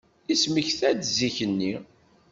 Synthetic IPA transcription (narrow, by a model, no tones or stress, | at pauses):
isməçθæd̪ziçənːi